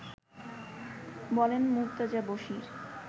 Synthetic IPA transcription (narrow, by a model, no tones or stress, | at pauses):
bɔlenmuɾt̪ad͡ʑaboʃiɾ